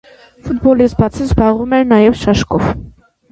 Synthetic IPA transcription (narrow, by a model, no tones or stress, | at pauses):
fut̪̚bɔlisbɑt͡sʰizbɑʁumɛɾnɑjɛvʃɑʃkɔv